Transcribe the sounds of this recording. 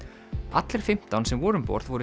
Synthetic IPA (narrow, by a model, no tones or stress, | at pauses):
at̪lɛɾ̥fɪm̥t̪awnsɛmvɔːɾʏmpɔ̰ɾðvɔɾʏ